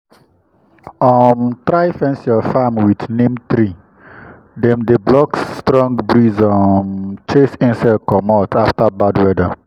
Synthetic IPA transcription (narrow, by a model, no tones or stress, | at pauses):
ɔmtɾaɪfɛ̃nsjɔfamwidnẽmt̪ɾi | dɛ̃mdeblɔkstɾɔ̃ŋɡbɾizɔmt͡ʃesɪ̃nsakɔmɔtʰaftabadwɛda